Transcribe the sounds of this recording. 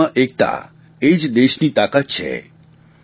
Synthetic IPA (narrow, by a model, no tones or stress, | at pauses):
ãʔek̚t̪a̰ | ed͡ʒd̪eʃnit̪akat̪̚t͡ʃʰḛ